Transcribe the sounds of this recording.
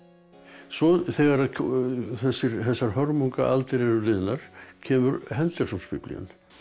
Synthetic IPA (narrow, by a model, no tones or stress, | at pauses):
sɔθɛɣaɾaðʰθɛsːɪɾθɛsːaɾ̥hœɾmuŋka̰ʔalt̪ɪɾɛɾʏlɪðnaɾ̥cʰɛːmʏɾhɛnt̪ɛɾ̥sumspiplḭa̰n